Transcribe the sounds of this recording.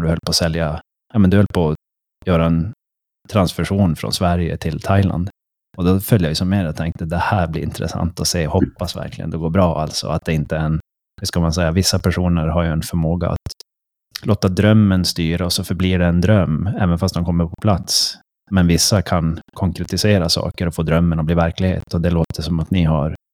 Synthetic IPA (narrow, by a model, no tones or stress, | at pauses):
ɖɵhœlːpʰɔsɛlja | jɑːmɛnd̪ɵhœlːəpʰɔ | jœːɾaɛn | t̪ʰɾansfœʂuːnfɾɔ̰nsvæɾjə̰t̪ʰɪlt̪ʰajla̰nd̪ | ɔd̪ɔfœljajʉsɔmːeːɾjat̪ʰɛŋt̪əd̪ɛhæːɾblɪ̰ɾɪ̰nt̪ɾə̰sa̰nt̪ɔseːhɔpːasvæ̰ɾkʰlɪ̰ɡə̰nd̪ɛɡoːɾbɾɑːʔa̰lt̪sɔ̰at̪̚d̪ɛɪnt̪əɛn | hʉskamansɛjːavɪsːapʰæʂuːnəɾɦaɾjɵɛnfœɾmoːɡa̰a̰t̪ | loːt̪ad̪ɾœmːənst̪yːɾaɔsɔfœɾbliːɖɛːnd̪ɾœmːɛːvənfast̪ɛmkʰɔmːəɾpʰɔpʰlat̪s | mɛnvɪsːakʰankʰɔŋkɾɛt̪ɪseːɾasɑ̰ːkəɾɔfoːd̪ɾœmːənɔbliːvæɾklɪɡhḛːt̪ɔd̪ɛloːt̪ʰəʂɔmat̪nɪɦaɾ